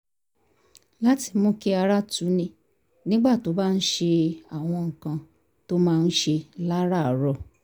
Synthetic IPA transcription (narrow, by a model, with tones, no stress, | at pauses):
la˦ti˧mũ˦ki˦a˧ɾa˦tu˨˦nĩ˧ | nĩ˦ɡ͡ba˦˨to˨˦ba˦˧n̩˦ʃe˧a˨w̃ɔ̃˧ŋ̩˨kã˧ | to˦mãː˦˧n̩˦ʃe˧la˦ɾa˦˨˦ɾɔ˧˨